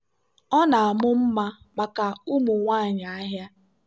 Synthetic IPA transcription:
ɔ˦na˨a˨mʊ˦m̩˦ma˦ | ma˨ka˨u˦mʊ˨ŋʷa˦a˨ɲa˨a˦ɦja˦

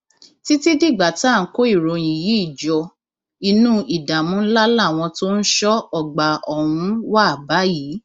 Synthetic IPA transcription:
ti˦ti˦di˦˨ɡ͡ba˨ta˦˨˦ko˦i˦˨ɾõ˧˨jĩ˨ji˨˦i˦˨d͡ʒɔ˧ | i˧nũ˦ʔi˨da˨mũ˨˦n̩˦la˦la˦˨w̃ɔ̃˧to˦n̩˦ʃɔ˦ɔ˨ɡ͡ba˨ɔ˨hũ˨˧˦wa˦˨ba˨˦jiː˨˦

